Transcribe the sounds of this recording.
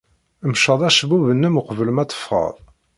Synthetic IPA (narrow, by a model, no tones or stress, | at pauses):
əmʃəðˤæʃəbuvənːəmuqəvələmæt͡s̪ːə̥fʁɑ̰ðˤ